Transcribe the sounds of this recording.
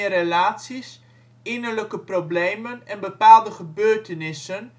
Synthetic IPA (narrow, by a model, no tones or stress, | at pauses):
əɾelaːtsis | ɪnəɹləkəprobleːmənɛnbəpaːlˠdəχəbøːɹtənɪsən